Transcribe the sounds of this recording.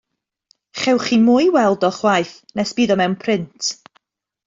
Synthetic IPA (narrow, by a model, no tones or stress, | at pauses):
χɛwχimʊːjwɛlˠdɔχwajθnɛsb̥iːðɔmɛwnpʰrɪntʰ